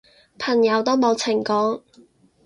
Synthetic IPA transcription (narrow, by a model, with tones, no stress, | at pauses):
pʰɐ˨˩ŋjɐ˨˧wt̪o˥wmo˨˧wt͡sʰɪ˨˩ŋkɔː˨˥ŋ